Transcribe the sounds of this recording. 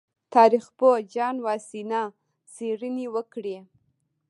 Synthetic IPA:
t̪ʰɑɾixpod͡ʒɑnwɑsinɑ | t͡seɾənewəkɽe

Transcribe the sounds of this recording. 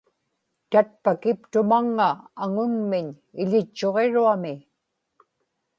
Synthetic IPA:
t̪at̪̚pakɪpt̪ʊmaŋːaːŋʊŋmɪɲ | ɪʎɪt͡ʃːo̞ʁe̞ɻuamɪ

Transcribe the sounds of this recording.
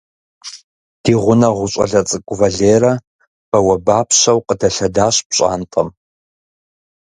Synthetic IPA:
d̥iːʁʷʊnɐʁʷʊɕʼɐ̰ɮɐt͡sʼɨkʷʼʊvɐɮeːɾɐ | b̥ɐwɐbaːpʰɕɐwqədɐɬɐdaːɕbɕʼa̰ːntʼɐm

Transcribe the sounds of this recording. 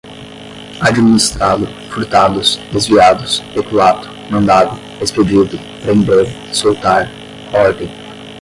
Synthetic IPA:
ad͡ʒiminist̪ɾad̪ʊ | fuɾt̪ad̪ʊsd̪ezviad̪ʊsekuat̪ʊ̥mɐ̃nd̪ad̪ʊ | desped͡ʒid̪ʊ | pɾẽnd̪eɾ | sowt̪aɾ | ɔɾd̪ẽj̃

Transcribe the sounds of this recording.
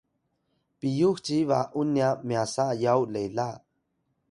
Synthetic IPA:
pijuxt͡ʃivaʔunjamiasajawlela

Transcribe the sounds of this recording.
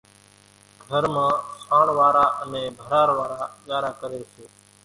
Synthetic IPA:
ɡʱəɾmãːsaːɳʋaːɾaːʔənẽːbʱəɾaːɾʋaːɾaːɠaːɾaːkəɾeːseː

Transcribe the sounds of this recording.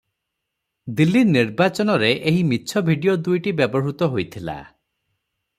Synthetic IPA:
d̪ilːiniɾbat͡ʃɔnɔɾeʔeɦimitːʃʰɔbʱiɖijod̪ujʈibebɔɦut̪ɔɦojt̪ʰila̰

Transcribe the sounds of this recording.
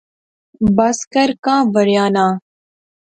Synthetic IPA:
bɐskəɾkãːʋəɾjãːnãː

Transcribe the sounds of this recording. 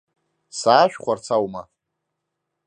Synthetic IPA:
saːʃᶣχʷart͡sʰawma

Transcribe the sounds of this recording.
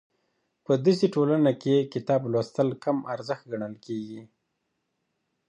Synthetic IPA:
pəd̪əseʈolanakekɪt̪ɑblwast̪əlkamaɾzəxt̪̚ɡaɳəlkeɡi

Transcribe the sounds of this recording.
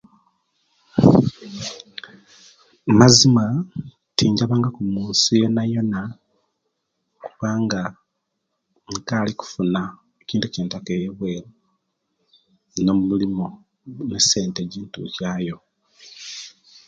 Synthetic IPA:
mazima | tʰiːɲɟaβaːŋɡakumuːnsijo̞najo̞na | kuβaːŋɡa | ŋkaːliku̥funa | eciːntuceːntakejeβwe̞ɾo | no̞mumulimo | nese̞ːnteɟiːntṵcaːjo̞

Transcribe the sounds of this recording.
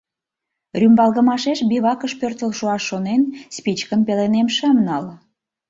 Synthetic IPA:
rʲymbɑlɣəmɑʃeʃbiβɑkəʃpørt̪əlʃuɑʃːonenspit͡ɕkəmpelenemʃəmnɑl

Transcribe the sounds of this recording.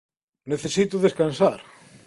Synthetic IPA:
neθesit̪ʊðeskansaɾ

